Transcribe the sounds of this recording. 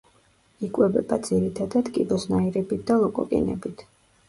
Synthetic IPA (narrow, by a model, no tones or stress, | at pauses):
ikʼwɛbɛbad̪ziɾit̪ʰad̪ad̪kʼibɔsnaiɾɛbit̪̚ʰd̪alˠɔkʼɔ̰kʼḭnɛ̰bit̪ʰ